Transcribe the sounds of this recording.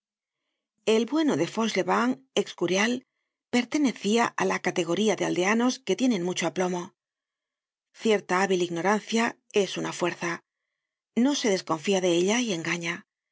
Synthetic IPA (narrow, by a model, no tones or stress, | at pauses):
e̞lβwe̞noðe̞fo̞sle̞βaŋe̞kskuɾjal | pe̞ɾt̪e̞ne̞θiaʔa̰lakat̪e̞ɣ̞o̞ɾiaðe̞a̰ld̪e̞ano̞ske̞t̪je̞nẽ̞nmut͡ʃoaplo̞mo̞ | θje̞ɾt̪aaβiliɣno̞ɾanθjae̞sunafwe̞ɾθa | no̞se̞ðe̞sko̞ɱfiaðe̞eʎaie̞ŋɡaɲa